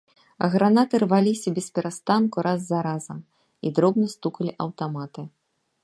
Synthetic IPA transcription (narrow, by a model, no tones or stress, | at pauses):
ɐ̰ɣɾanat̪ɨrvalʲisʲɐbʲɛspʲɛɾʔast̪ankuɾʔazːɐɾazɐm | id̪ɾɔbnɨst̪ukɐlʲiʔɐwt̪amat̪ɨ